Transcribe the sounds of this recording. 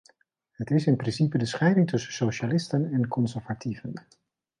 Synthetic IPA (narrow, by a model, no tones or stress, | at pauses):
hətɪsɪnprɪnsipədəsχɛjdɪŋtʰɵsəsowʃalɪstənɛnkʰɔnsəɹvatʰivən